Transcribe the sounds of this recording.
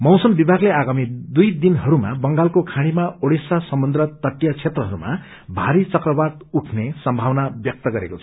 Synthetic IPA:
mʌwsʌmbibʱaɡleaɡamid̪ujd̪inɦʌɾuma̰bʌŋɡalkokʰaɽ̃imaoɽisasʌmʌnd̪ɾʌt̪ʌʈːjat͡sʰet̪rʌɦʌɾuma̰ | bʱaɾit͡sʌkrʌbad̪uʈʰnesʌmbʱawnabjʌk̚t̪ʌɡʌɾḛkot͡sʰʌ

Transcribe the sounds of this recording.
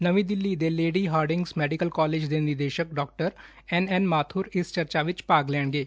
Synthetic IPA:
nəʋĩːd̪ɪlːiːd̪eːleːɖiːɦaːɾɖɪ̃ŋɡsmɛːɖɪkəlkɔːleːd͡ʒd̪eːnɪɾd̪eːʃək̚ɖɔːk̚ʈəɾ | ɛnɛnmaːt̪ʰʊːɾɪst͡ʃəɾt͡ʃaːʋɪt͡ʃpaːɡlɛːɳ̃ɡeː

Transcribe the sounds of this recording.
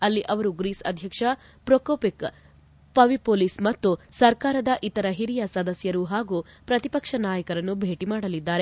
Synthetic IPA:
ɐlːiʔɐʋɐɾuɡɾiːsɐ̰d̪ʱjɐkʂɐ | pɾoːkoːpik | pɐʋipoːliːsmɐt̪ːusɐɾkaːɾɐd̪ɐʔit̪ɐɾɐɦiɾijɐsɐd̪ɐsjɐɾuɦaːɡuː | pɾɐt̪ipɐkʂɐnaːjɐkɐɾɐnːubʱeːʈimaːɽɐlid̪ːaːɾe

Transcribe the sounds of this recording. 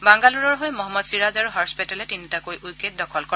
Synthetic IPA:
baŋɡaluɹɔɹɦojmɔɦɔmːɔdsiɹazaɹuɦɔspitɛlɛtinitakojujkːet̚dɔkʰɔlkɔ

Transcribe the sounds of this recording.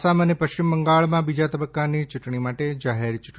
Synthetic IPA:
samənepəʃt͡ʃɪmbəŋɡaɭmãbid͡ʒat̪əbəkːanit͡ʃʊʈɳimaʈed͡ʒaɦeɾt͡ʃuʈ

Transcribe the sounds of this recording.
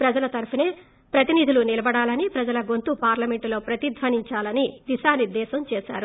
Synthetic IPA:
pɾɐd͡ʒɐlɐt̪ɐɾɐpɐne̞ː | pɾɐt̪inid̪ʱilunilɐbɐɽaːlɐnipɾɐd͡ʒɐlɐɡo̞nt̪upaːɾlɐme̞ɳʈlo̞ːpɾɐt̪id̪ʱʋɐniɲt͡ʃaːlɐnid̪iʃaːniɾd̪ːɛːsɐmt͡ʃɛːʃa̰ːɾu

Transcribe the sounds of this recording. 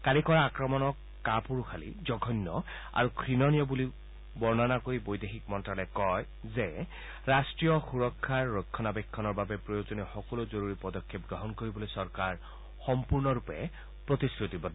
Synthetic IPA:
kalikɔɹaakɹɔmɔnɔk | kapuɹxʰalḭzɔɡʱɔnːɔ | a̰ɹukʰɹinɔnijɔbuli | bɔɹnanakoɹibojdexik̚mɔntɹalɛkɔj | zɛ | ɹastɹijɔxuɹɔkʰːaɹːɔjkʰːɔnabɛkʰːɔnɔɹbabɛpɹɔjozɔnɛxɔkɔlozoɹuɹipɔdɔkʰːep̚ɡɹɔɦɔnkoɹibɔlojsɔɹkaɹ | xɔmpuɹnɔɹupɛ̰ | pɹotiskɹutibɔ

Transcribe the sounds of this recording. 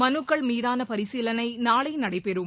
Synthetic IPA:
mɐnɯkːɐɭmiːðaːnɐpɐɾɪsiːlɐnɐɪnaːɭɐɪnɐɽɐɪpɛɾɯm

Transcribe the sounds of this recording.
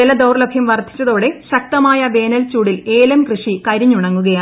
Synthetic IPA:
elɐd̪ɐwrlɐbʱjɐmʋɐrd̪ʱi̥t͡ɕːɐðo̞ːɽe̞ɕɐk̚t̪ɐmaːjɐʋe̞ːnɐlt͡ɕuːɽileːlɐmkrɨʂikɐɾiɲːuɳɐŋːuɣɐjaː

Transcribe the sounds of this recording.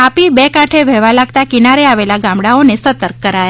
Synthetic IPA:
apibekãʈʰeʋʱɛʋalaɡ̚t̪akinaɾeaʋelaɡãmɽaonesət̪əɾkːəɾaja

